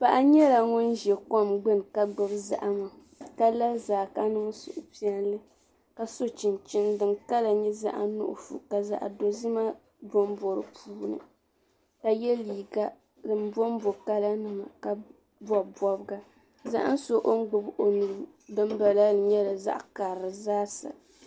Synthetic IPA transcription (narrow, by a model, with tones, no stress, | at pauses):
pa˨ʔa˦ɲɛ˦la˨ŋʊ˦nʒɛ˨kɔ˦mɡ͡bɨ˦n˨ka˦ɡ͡bɨ˨bza̰˦˨ʔma˨ | ka˦la˦zaː˨ka˦nɨ˦ŋ˦sʊ̰˨ʔʊ˨pi˦ɛ˦n˦lɨ˦ | ka˨so˦t͡ʃɪ˨nt͡ʃɪ˦ndɨ˨nka˦la˨ɲɛ˦za̰˦ʔa̰˦nʊ̰˦ʔʊ̰˨fṵ˨ka˨za̰˨ʔa̰˨do˨zi˦ma˦ | bo˦m˦bɔ˨ɾɨ̰˨pʰuː˦nɨ̰˨ | ka˨jɛ˦liː˨ɡa˦ | dɨ˨m˦bɔ˦m˦bo˨ka˦la˦nɨ˦ma̰˨ka˨ | bɔ˦˨bɔ˦bɡa˦ | za̰˦ʔa̰˦n̩˦so˦ʔo˦ŋ˦ɡ͡bɨ˨bo˨nu˨ɾɨ˦ | bɨ˦m˦ba˨la˦lɨ˨ɲɛ˦la˨za̰˦ʔka˨ɾɨ˨zaː˦sa̰˨